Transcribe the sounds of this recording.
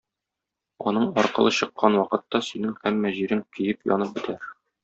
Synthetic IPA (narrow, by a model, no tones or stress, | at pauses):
ɒnɤɴɒɾqɤ̆lˠɤɕɤ̆qːɑnwɒqɤ̆t̪ːɑsɵnɘŋhæmːæʑiɾɘŋkɘ̆jɘpjɒ̰nɤp̚bɘ̆t̪ʰæɾ